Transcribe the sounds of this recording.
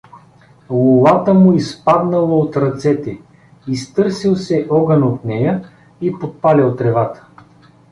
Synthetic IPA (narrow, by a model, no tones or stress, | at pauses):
lˠʊlˠat̪əmʊispad̪nəlˠɐot̪ɾɐt̪sɛt̪ɛ | ist̪ɤɾsilˠsɛʔɔɡɐnot̪nɛjə | ipot̪̚palʲɛlˠt̪ɾɛvat̪ə̥